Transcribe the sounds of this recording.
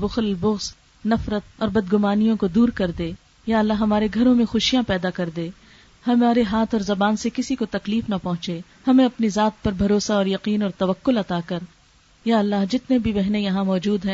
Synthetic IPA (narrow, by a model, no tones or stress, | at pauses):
bʊxlbʊɣs | nɐfɾət̪̚ɔːɾbɐd̪ɡʊmaːnijõkod̪uːɾkɐɾd̪eː | jaːɐlːaːɦɦɐmaːɾeɡʱɐɾõmẽxʊʃijãpɛːd̪akɐɾd̪eː | hɐmaːɾeɦaːt̪ʰɔːɾzɐbaːnsekɪsikot̪ɐkliːfnɐpɐɦʊ̃t͡ʃe | hɐmẽɐpnizaːt̪̚pɐɾbʱɐɾoːsaɔːɾjɐqiːnɔːɾt̪ɐʋɐqːʊlɐt̪aːkɐɾ | jaːɐlːaːɦd͡ʒɪt̪nebʱibɛɦnejɐɦãmɔːd͡ʒuːd̪ɦɛ̃ː